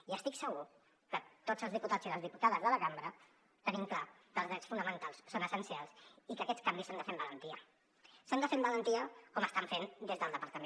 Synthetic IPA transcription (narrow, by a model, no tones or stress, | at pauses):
iəst̪iksəɣu | kət̪od͡zəlzð̞iput̪ad͡ziðəlzðiput̪aðəzðələkambɾə | t̪ənimkla | kəlzðɾɛt͡ssfunəmənt̪alˠsːonəsənsialˠsikəkɛt͡skambisand̪əfembələnt̪iə | sand̪əfembələnt̪iəkɔməst̪aɱfend̪ezðəlˠd̪əpəɾt̪əmẽ